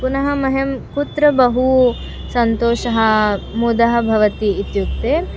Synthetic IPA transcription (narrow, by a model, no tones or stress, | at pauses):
punɐɦɐmɐɦemkut̪ɾɐbɐɦu | sɐnt̪oːʃɐɦɐ̆ | mud̪ɐɦɐ̆bʱɐʋɐt̪iːt̪juk̚t̪eː